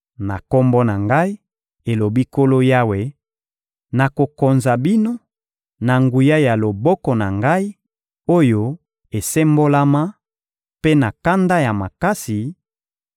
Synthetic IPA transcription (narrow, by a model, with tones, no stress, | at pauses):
na˨ko˦mbɔ˦na˨ŋɡa˦i˦ | e˨lo˨bi˦ko˦lo˦ja˦we˨ | na˨ko˨ko˨nza˨bi˦no˦ | na˨ŋɡu˨ja˦ja˨lo˨bɔ˦kɔ˨na˨ŋɡa˦i˦ | o˦jo˦ | e˨se˦mbo˦la˦ma˦ | pe˦na˨ka˦nda˦ja˨ma˨ka˦si˨